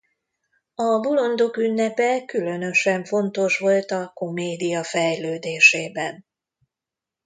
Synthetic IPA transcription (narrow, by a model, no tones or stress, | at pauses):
ɒbulo̞nd̪okynːɛpɛkylø̞nø̞ʃɛɱfo̞nt̪o̞ʃʋo̞lt̪ɒko̞meːd̪ijɒfɛjløːd̪eːʃeːbɛn